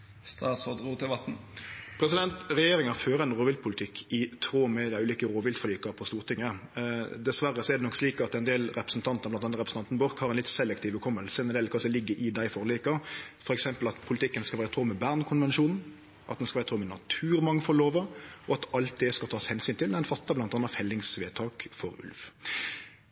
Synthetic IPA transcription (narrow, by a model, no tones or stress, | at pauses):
st̪ɑːt̪sod̪ut̪ɪʋɑt̪n̩pʰɾɛsɪd̪ɛnt̪ɾɛjeːɾɪŋɑføːɾəɛnʁoːʋɪlpʰʊlɪt̪ʰɪkʰːɪt̪ʰɾoːmɛd̪æɪʉːliːkəɾoːʋɪlt̪fɔliːkɑpʰɔst̪uːʁt̪ʰɪŋːə | d̪ɛsʋæɾːəsɔɛʁd̪ɛnɔksliːkɑt̪ɛnd̪eːlɾɛpɾəsn̩t̪ʰɑnt̪nəʁblɑnɑnəʁɛpɾs̩ɑnt̪nbɔɾkhɑɾɛnlɪt̪sɛlːɛkt̪ʰiːʋəkʰɔmːəlsəɛnd̪eːlkʰɑsɔlɪɡːəɾʔɪd̪æɪfɔʁliːkəfɔɾɛksɛmpəlɑt̪pʰʊlɪt̪ʰɪkːənskɑʋæːɾət̪ʰɾoːmɛbæʁnkʰʊnʋɛnʃuːnn̩ | ʔɑ̰t̪d̪ɛnskɑʋæːɾt̪ʰɾoːmɛnɑt̪ʰʉːɾmɑŋːfɔloːʋəɔɑt̪ɑlt̪̚d̪ɛskɑlt̪ɑːshɛnsyːnt̪ʰɪlɛɛnfɑt̪ːɑblɑnt̪ɑnːɑfɛlːɪŋsʋeːt̪ʰɑːkfɔɾʉ̰lʋ